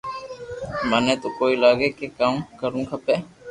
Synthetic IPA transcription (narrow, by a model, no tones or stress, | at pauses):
mənẽːt̪oːkoːiːlaːɡeːkekaːmkəɾũːkʰəpeː